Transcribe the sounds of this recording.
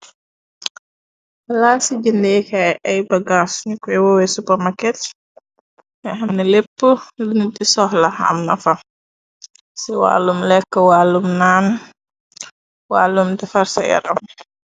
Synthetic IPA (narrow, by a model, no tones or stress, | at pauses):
wɐlaːsiɟindɛːkɐʔɐjbɐɡasɲukɛjwɔwɛsupɐmɐkɛt | mɛxɐmnɐlepːəlunitisɔhlɐɐ̰mnɐ̰fɐ | siwa̰ːlːumlɛkːɐwaːlːumnaːn | wa̰lːumtɛfɐɾsɐ̰jɐ̰ɾɐ̰m